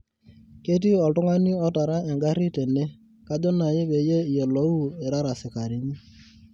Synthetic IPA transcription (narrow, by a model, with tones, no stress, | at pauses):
ke˦t̬i˦ɔ˨tʊ˦ŋa˦ni˦ɔ˦ta˨ɾa˦ɛ˨ŋɡa˦ɾi˦te˨ne˦ | ka˦d͡ʒɔ˦na˨jɪ˦βe˨je˦˨je˨lo˨˦u˦ɛ˨ɾa˦ɾa˨sɪ˨ka˨ɾɪ˨ɲi˦